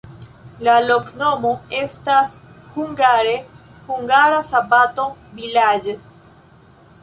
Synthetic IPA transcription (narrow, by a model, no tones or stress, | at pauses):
lalokno̞mo̞e̞stashuŋɡaɾe̞ | huŋɡaɾasabato̞vilad͡ʒe